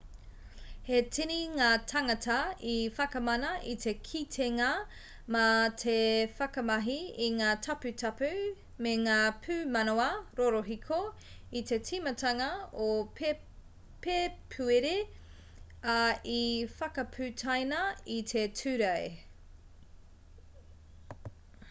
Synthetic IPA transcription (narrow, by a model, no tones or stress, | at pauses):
hetʰiniŋaːtʰɐŋɐtɐifɐkɐmɐnɐʔit̪ʰe̞kʰitʰeŋɐ | mɐt̪ʰefɐkɐmɐɦiiŋaːtʰɐpʉtʰɐpʉ | meŋaːpʰʉːmɐnoɐɾoɾoɦikʰo | it̪ʰe̞tʰimɐtʰɐŋɐo | pepʰʉeɾe | aifɐkɐpʰʉtʰajnɐit̪ʰetʰʉɾɐj